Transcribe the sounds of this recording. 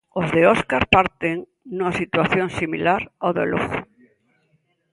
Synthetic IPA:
ozðeɔskaɾpaɾt̪eŋ | nuŋasit̪waθjoŋsimilaɾawðeloɣo

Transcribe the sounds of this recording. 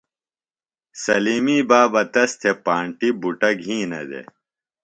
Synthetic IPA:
sɐliːmiːbaːbɐt̪ɐst̪ʰepaːɳʈibuʈɐɡɦĩːnɐ̰d̪ḛ

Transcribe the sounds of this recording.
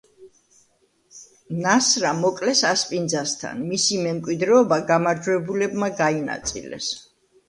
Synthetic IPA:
nasɾamɔkʼlɛsaspʼind̪zast̪ʰa̰nmisimɛmkʼwid̪ɾɛɔbaɡamaɾd͡ʒwɛbulɛbmaɡaina̰t̪sʼḭlɛ̰s

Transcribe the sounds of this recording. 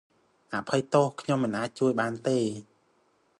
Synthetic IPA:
ʔaʔpʰəjt̪ohkʰɲomːɨnʔaːc̚t͡ɕuəjɓaːnt̪eː

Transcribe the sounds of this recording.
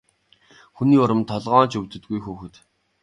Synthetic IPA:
xuniːʊɾə̆mt̪ʰɔɮʁɔːnt͡ɕɵwt̪ɵ̆t̪̚ɡujxuːxɘ̆t̪

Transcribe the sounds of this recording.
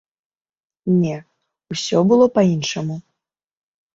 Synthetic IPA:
nʲɛ | usʲɔbɨlˠɔpainʂɐmu

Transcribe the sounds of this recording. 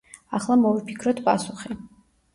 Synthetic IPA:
aχlˠamɔvipʰi̥kʰɾɔt̪ʰpʼa̰suχi

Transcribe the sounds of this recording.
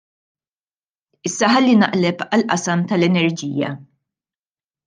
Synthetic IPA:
ɪsːɐħɐlːinɐ̰ʔlɛpɐlʔɐsɐmt̪ɐlɛnɛɾd͡ʒiːjɐ̰

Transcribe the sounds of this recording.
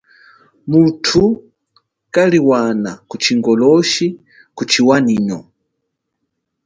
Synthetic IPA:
mutʰu | kaliwanakut͡ʃʰiŋɡɔlɔʃi | kut͡ʃʰiwaniːnɔ

